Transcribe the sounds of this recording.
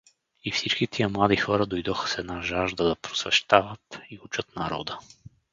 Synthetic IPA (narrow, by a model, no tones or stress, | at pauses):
ifsit͡ʃkit̪ʰijəmlˠad̪ixɔɾəd̪ojd̪ɔxə̥sɛnaʒaʒd̪əd̪ɐpɾosvɛʃt̪avət̪iut͡ʃət̪nɐɾɔ̰d̪ə